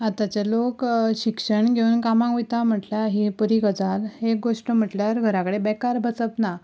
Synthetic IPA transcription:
at̪at͡ɕelokɕikʂəɳɡʱeunkamãŋkʋit̪am̤əʈljaɦipəɾiɡəd͡zalek̚ɡoʂʈəm̤əʈljaɾɡʱəɾakəɽebɛkaɾbʱəsəpna

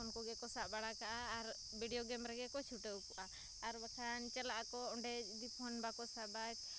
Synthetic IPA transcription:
ɔnkɔɡɛkɔsaʔbaɽakaʔaːɾ | bʱiɖiɔɡɛmɾɛɡɛkɔt͡ʃʰuʈəkɔʔaː | ɾbakʰant͡ʃɛlaʔakɔɔɳɖɛd̪ipʰɔnbakɔsabat̪̚

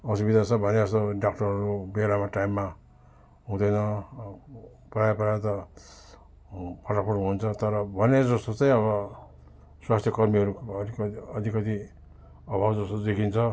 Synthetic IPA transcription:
ʌs̬ubid̪ʱat͡sʰʌbʱʌneʌst̪oɖakʈʌɾɦʌɾubelamaʈaimːa | ɦũd̪ʌjnʌ | pajpʌɾat̪ʌ | pʰʌʈapʰuʈunt͡sʰʌt̪ʌɾʌbʱʌned͡zʌst̪ot͡saĩʌβʌ | swast̪ʰjʌkʌrmiʌɾuk | ʌd̪ʱikʌt̪i | ʌbʱabd͡zʌst̪od͡zekʰint͡sʰʌ

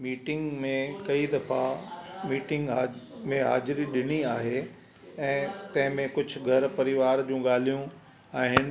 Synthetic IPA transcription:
miːʈɪ̃ŋɡmẽkɐid̪ɐfamiːʈɪ̃ŋɡamẽɦa̰ːd͡ʑɾiɗɪniaːɦe | ɛ̃ːt̪ɐ̃ɦɪ̃mẽkʊd͡ʑʱʊ̆ɡʱɐɾpɐɾɪʋaːɾd͡ʑũːɠaːl̤ijũ | aːɦɪnɪ̆

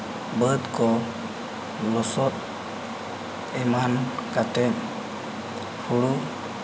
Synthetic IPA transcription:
bət̪kɔ | lɔsɔt̪̚ | ɛmankat̪ɛn | huɽu

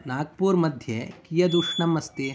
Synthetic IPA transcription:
naːɡ̚puːɾmɐd̪ʱjekijɐd̪uʂɳɐmɐst̪i

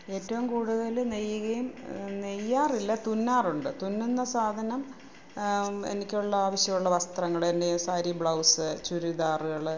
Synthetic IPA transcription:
e̞ːtːɐʋumkuːɽuðɐlnejːuɣɐjumnejːaːrilːɐt̪unːaːruɳɖɨt̪unːunːɐsaːd̪ʱɐnɐm | ḛnikʲːuɭːɐaːʋɐɕjɐmuɭːɐʋɐst̪rɐŋːɐɭendesaːɾibɭɐwsɨt͡ɕuɾiðaːrɨɣɐɭɨ

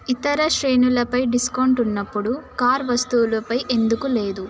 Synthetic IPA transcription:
it̪ɐɾɐʃɾe̞ːnulɐpɐjɖiskɐwɳʈunːɐpːuɽukaːɾʋɐst̪uwlɐpɐjʔe̞nd̪ukule̞ːd̪u

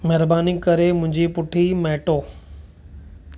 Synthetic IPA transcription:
mɛɦɾbaːnikɐɾemʊ̃ɦɪ̃ɲd͡ʑipʊʈʰimɛːʈoː

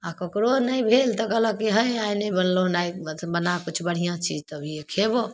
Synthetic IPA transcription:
akɔkɾonəjbʱelt̪ɔkələkiɦə̃jajnəjbənlonajbənakut͡ʃʰbəɽ̤ijãt͡ʃid͡ʒt̪əbʱiekʰebo

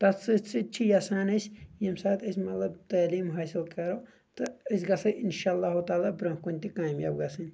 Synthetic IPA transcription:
t̪ɐt͡sːɨt͡sʰɨt͡ʃʰijasaːnɨsʲjɐmsaːt̪ɨsʲmɐt̪lɐbt̪aːliːmɦaːsɨlkɐɾoː | t̪ɨɐs̬ʲɡɐsɐʔinʃaːɐlˠːaːɦut̪aːlaːbɾɐ̃ːkunʲt̪ikaːmja̰bɡɐsɨn

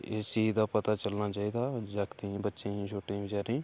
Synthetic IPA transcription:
eːsiid̪aːpət̪aːt͡ʃəlnaːt͡ʃaːiːd̪aːd͡ʒakt̪ĩbətːʃẽːt͡ʃʰoːʈĩːbɪd͡ʒaːɾĩː

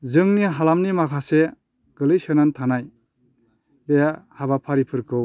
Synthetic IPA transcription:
zɯŋniɦalamnimakʰase | ɡ̥ɯlɯjsenantʰanaj | bejahaβapʰaɾipʰɯɾkʰɯw

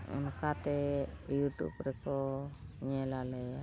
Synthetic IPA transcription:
ṵnkat̪ɛjuʈṵbɾɛkɔɲɛlalɛja

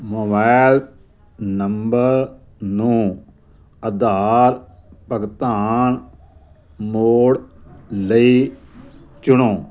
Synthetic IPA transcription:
moːbal | nɐmbəɾ | nũː | ɐd̪aɾ | pɐɡt̪aːn | moːɽləi | t͡ʃʊnõː

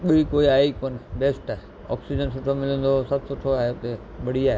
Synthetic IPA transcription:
ɓɐikoːiaːɦikoːnɪbeːsʈaːɦe | ɔ̰ːksid͡ʑənsʊʈʰomɪlə̃nd̪osɐbʱsʊʈʰoaːɦet̪e | ɓɐɽ̤iaːɦe

